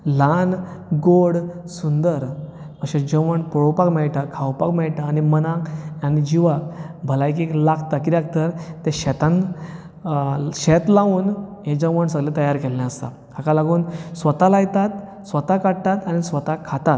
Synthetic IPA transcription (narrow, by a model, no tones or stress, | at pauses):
lan | ɡoɽ | sund̪əɾ | əɕed͡ʑəʋəɳpuɽowpakmɛɭʈakʰawpakmɛɭʈ̪aːñimənãanid͡ʑiʋakbʱəlajk̬iklakt̪akilaɡ̚t̪əɾt̪eɕɛt̪ãn | ɕet̪lãʋuːnɦẽd͡ʑə̃ʋəɳs̬əɡlẽt̪əjaɾkelːãəst̪a̰ | akalaɡuːnsʋət̪alajt̪at̪ | sʋət̪akaɽt̪at̪añisʋət̪akʰat̪at̪̚